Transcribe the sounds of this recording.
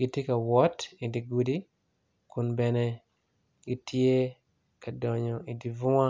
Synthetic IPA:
ɡɪ˨tje˦ka˨wɔ˦ti˨di˨ɡu˨di˦ | ku˨nbɛ˨ne˨ | ɡɪ˦tje˦ | ka˨dɔ˨ɲɔ˨i˨di˨vʊ˦a˦

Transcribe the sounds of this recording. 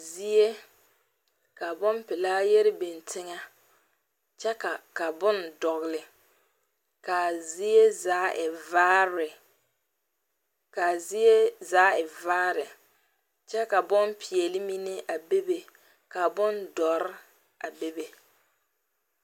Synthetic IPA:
zi˦e˦ | ka˨bʊ˦mpɪ˨laː˦jɛ˦ɾɪ˦be˨ntʰɪ˦ŋa˦ | t͡ʃɛ˦ka˨ka˨bʊ˦ndɔ˨ɣɪ˨lɪ˨ | ka˨zi˦e˦zaː˨˦ʔɪ˨vaː˦ɾɪ˨ | ka˨zi˦e˦zaː˨˦ɪ˨vaː˦ɾɪ˨ | t͡ʃɛ˦ka˨bʊ˦mpʰi˨ɛ˨lɪ˦mi˦ne˦ʔa˨be˦be˨ | ka˨bʊ˦ndɔ˨ɾɪ˦ | a˨be˦be˨

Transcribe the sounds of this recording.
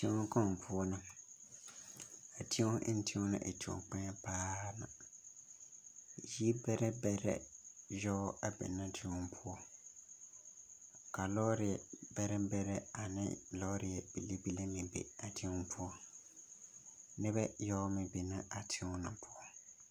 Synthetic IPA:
ti˦õ˦kɔ˦˨ŋ˨pʰʊ˦ɔ˦nɪ˨ | a˨tʰi˦o˦ʔɪ̰˦n̩˦tʰi˦õ˦nɪ̰˨ʔḛ˨ti˨o̰˨k͡pɛ˦paː˦na̰˨ | ji˦bɛ˦ɾɛ˦bɛ˦ɾɛ̰˦jɔ˦a˨bɛ̰˨nːa˦tʰi˦ɔ˦m˦pʰʊ˦ɔ˦ | ka˨lɔ˦ɾɪ˨ɛ˨bɛ˦ɾɛ˦bɛ˦ɾɛ˦a˨nɪ̰˦lɔ˦ɾɪ˨ɛ˨b̥i˨le˦bi˦le˦mɪ̃˨bḛ˨a˨tʰi˦ɔ˦pʰʊ˦ɔ˦ | nɪ˦bɛ˦jɔ˦ʊ˦mɪ̃˨be˨na˦a˨tʰɪ˦o˦nɪ˨pʰʊ˦ɔ˦

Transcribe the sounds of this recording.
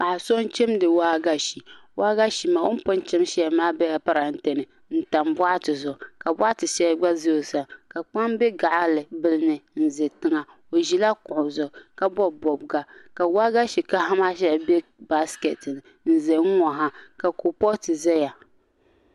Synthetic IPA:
pa˨ʔa˨so˦n˦t͡ʃe˦mdɨ˨waː˦ɡa˦ʃi˨waː˦ɡa˦ʃi˨ma˨o˦n˦pʊ˦n˦t͡ʃɛ˦m˦ʃɛ˦˨maː˦bɛ˦ja˨pa˦ɾa˨n̩˦te˨nɨ˨ | n̩˦ta˨mba˦a˦tɨ˨zʊ˨ka˨ba˦a˦tɨ˨ʃɛ˦ɡ͡ba˦ze˦o˨sa˨ka˨k͡pa˦mbɛ˦ɡa˨ʔa˦lɨ˨bɨ˦lɨ˦nɨ˨n̩˨zɛ˨tɨ˦ŋa˨ | o˨ʒi˦la˦kʊ˨ʔʊ˨zʊ˨ka˨bɔ˦bɔ˨bɡa˦ka˨wa˦ɡa˦ʃi˨ka˦ha˦maː˦ʃɛ˦˨be˦ba˦skɛ˨tɨ˨nɨ˨ | n̩˨zɛ˨ŋ̩˦ŋɔ˨ɦa˦ka˨ko˨pɔ˦tɨ˨zɛ˦ja˨

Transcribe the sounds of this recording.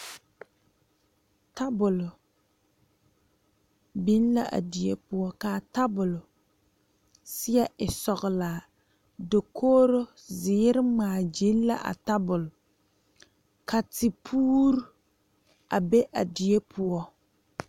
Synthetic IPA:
ta˦bʊ˨lʊ˨ | bi˦n˦la˦ʔa̰˨di˨e˦pʊ˦ɔ˦ka˨ta˦bʊ˨lʊ˨ | sɪ˦ɛ˦ʔɪ˨sɔ˨ɣʊ˨laː˨ | do˨kʰoː˦ɾo˦ | zɪː˨˦ɾɪ˦ŋ͡maː˨d͡ʒi˦n˦la̰˦ʔa̰˨ta˦bʊ˨lʊ˨ | ka˨ti˨pʰuː˦ɾu˦ | a˨be˦ʔa˨di˨e˦pʰʊ˦ɔ˦

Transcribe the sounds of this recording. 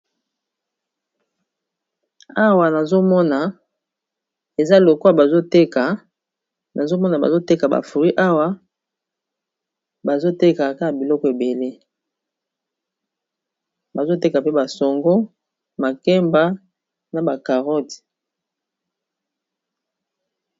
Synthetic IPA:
a˦wa˨na˨zo˦mɔ˦na˨ | e˨za˦lo˨ko˦a˨ba˨zo˦te˦ka˨ | na˨zo˦mɔ˦na˨ba̰˨zo˦te˦ka˨ba̰˨fu˨ʁi˦ʔa˦wa˦ | ba˨zo˦te˦ka˨ka˦ka˨bi˨lɔ˦kɔ˨e˨be˨le˦ | ba˨zo˦te˦ka˨pe˦ba˨sɔ˨ŋɡo˦ | ma˨kɛ˦mba˦ | na˨ba˨ka˨ʁɔ˦ti̥˨

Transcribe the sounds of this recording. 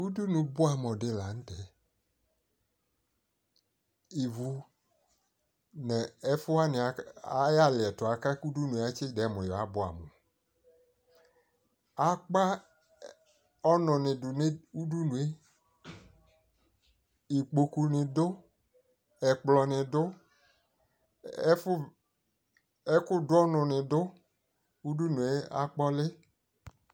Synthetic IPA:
u˦du˦nũ˨bʊ˦a˨m˨ɔ̃˨ɖe˨la˨ŋ̩̃˦tɛ˨ | i˨vu˨ | nɛ˨ɛ˦fʊ˦a˦nɪ˨˦ja˦lɪ˨ɛ˨tʊ˨a˨ka˦ku˦du˦nũ˨˦a˦t͡ʃɪ˦dɛ˨˦˨mɔ̃˨jɔ˨a˨˦bʊ˦a̰˨mɔ̃˨ | a˨k͡pa˦ | ɔ˦nʊ̃˨nɪ̃˨dʊ˨nɪ˦u˦du˦nũ˨e˦ | i˨k͡po˨ku˨nɪ̃˨dʊ˦ | ɛ˨k͡plɔ˨nɪ̃˨dʊ˦ | f | ɛ˦kʊ˦dʊ˦ɔ˦nʊ̃˨nɪ̃˨dʊ˦ | u˦du˦nũ˨e˦a̰˦k͡pɔ˦lɪ˦

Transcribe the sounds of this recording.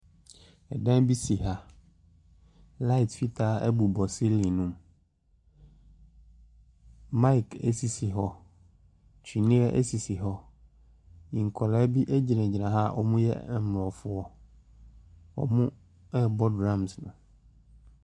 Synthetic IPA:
ɛ˨dã˦bi˦si˨ɦa˨ | la˦i˨tfi˦tʰaː˨˦ɛ˦bu˨bɔ˨si˦li˨nũ˦m | mã˦i˨kʰɛ̰˦si˨sɪ˨ɦɔ˦ | t͡ɕʰᶣi˨nɪ̃˦ɛ˦ʔɛ̰˦si˨sɪ˨ɦɔ˦ | ĩ˨ŋ̩˨kʰɔ˨lɛ˦bi˦ʔæ˦d͡ʑi˨nɛ̃˨d͡ʑi˨nã˨ɦa˦˨ʔɔ̰˨mũ˦jɛ̰˦˨m˨ɾɔ˨fʊ˦ɔ˦ | ɔ̰˨mũ˦ | ɛ˦bɔ˦dɾã˦msnʊ̃˨

